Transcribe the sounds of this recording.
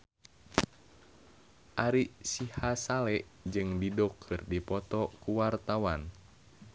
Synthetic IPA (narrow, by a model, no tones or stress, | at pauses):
ʔaɾisihasalɛʔd͡ʒɨŋdidɔkʰɨrdipɔt̪ɔkuwart̪awan